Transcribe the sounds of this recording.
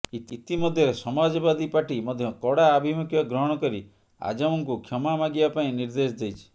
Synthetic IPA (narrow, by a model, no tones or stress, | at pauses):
it̪it̪imɔd̪ʱjɔɾesɔmad͡ʒɔbad̪ipaʈimɔd̪ʱjɔkɔɽaːbʱimukʰjɔɡɾɔɦɔɽ̃ɔkɔɾi | a̰d͡ʒamɔŋkukʰjɔmamaɡibapaĩniɾd̪esd̪ejt͡ʃʰi̥